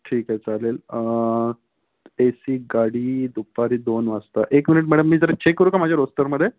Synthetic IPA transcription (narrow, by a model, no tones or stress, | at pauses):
ʈʰiːkɦajt͡salelə | esiːɡaɽiːd̪upaɾiːd̪onʋast̪aʔekminiʈ̬mɛɽəmːiːd͡zəɾat͡ɕʰekːəɾuːkamad͡ʑʱjaɾost̪əɾməd̪ʱːje